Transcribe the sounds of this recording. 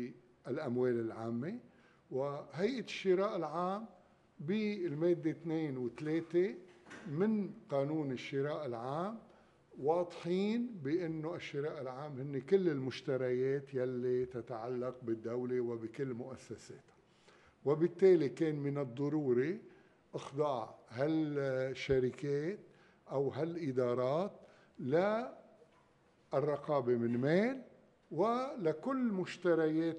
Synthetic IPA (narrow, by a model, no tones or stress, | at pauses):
ʔɪlʔamweːlɪlʕaːmːe | wɪhajʔaʃːɪɾɑːʔɪlʕaːm | bilmeːd̪ːet̪neːnwɪt̪leːt̪emɪnqɑːnuːnɪʃːɪɾɑːʔɪlʕaːm | wɑːd̪ˤħiːnbɪʔɪnːoʔaʃːɪɾɑːʔɪlʕaːmhɪnːekɪlːɪlmʊʃt̪aɾˤajeːt̪jalːit̪ɪt̪aʕalːaq̚bɪd̪ːawlewɪbɪkɪlːmʊʔasːaseːt̪hḁ | wɪbɪt̪ːeːlikeːnmɪnɨd̪ˤːɑɾuːɾi | ʔɑxd̪ˤɑʕhalʃːaɾɪkeːt̪̚ | ʔawɦalʔɪd̪ɑːɾˤɑːt̪ | la | ʔrˤːɑqɑːbemɪnmeːl | wɪlakʊlːmʊʃt̪aɾˤajeːt̪